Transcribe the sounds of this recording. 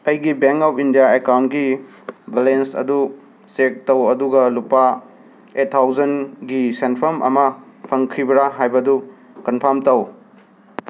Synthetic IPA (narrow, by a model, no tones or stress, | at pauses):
ɐjɡibeŋkawpʰindijaekawntɡi | balensɐ̰du | sek̚tɐwɐduɡɐlupːa | etʰːawd͡ʒɐnɡisenpʰɐmʔɐ̰mɐ | pʰɐŋkʰɾibɐɾaɦajbɐdu | kɐnpʰɐɾmtɐw